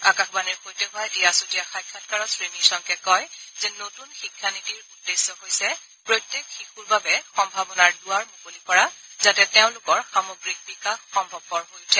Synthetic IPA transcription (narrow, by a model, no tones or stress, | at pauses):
a̰kaxbaniɹxojtɛɦʊajetijasutijaxajkʰːatkaɹɔsɹenisɔŋkɛkɔjzɛnotunxikʰːanitiɹudːesːɔɦojsɛ | pɹojtːekxixuɹbabɛxɔmbʱabɔnaɹdʊaɹmokolikɔɹazatɛtɛʊ̃nlʊkɔɹxamoɡɹik̚bikaxːɔmbʱɔb̚ːɔɹɦojtʰɛ